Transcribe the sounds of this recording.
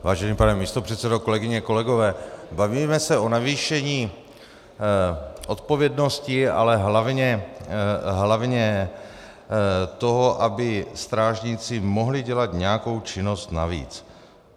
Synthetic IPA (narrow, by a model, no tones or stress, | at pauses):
vaːʒɛniːpanɛmiːst̪o̞pr̥ɛt̪sɛdoko̞lɛɡɪɲɛko̞lɛɡo̞vɛːbaviːmɛsɛʔo̞naviːʃɛɲiː | ʔo̞t̪po̞vjɛdno̞scɪa̰lɛɦlavɲɛ | ɦlavɲɛ | t̪o̞ɦo̞ʔabɪst̪ɾaːʒɲɪt͡sɪmo̞ɦlɪɟɛlat̪ɲɛjako̞wt͡ʃɪno̞st̪navḭːt͡s